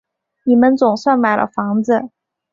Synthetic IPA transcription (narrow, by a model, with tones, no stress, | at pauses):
ni˨˩mə˦nt͡sʊ˨˩ŋswa˥˩nma˨˩ɪlʔə̰˦fɑ˧˥ŋd͡z̩˧˨